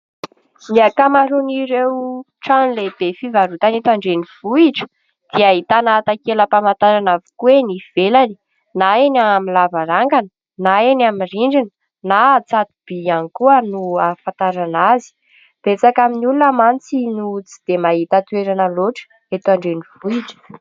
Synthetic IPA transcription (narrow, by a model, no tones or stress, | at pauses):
niakamaɾuniɾewu | ʈ͡ʂanleb̥efivaɾut̪anet̪aɳɖ͡ʐeniv̥uiʈ͡ʂə̥ | d̪̥iaɦit̪anat̪akeləpamant̪aɾanavu̥kueniv̥elani̥ | naenaamilavaɾaŋɡanə | naenamiriɳɖ͡ʐinə | nat͡sad̪ub̥ianikuənuafant̪aɾanazi̥ | b̥et͡sakaminulunəmant͡sinut͡si̥d̪̥emaɦit̪at̪weɾanəloʈ͡ʂə̥ | et̪aɳɖ͡ʐenivuiʈ͡ʂə̥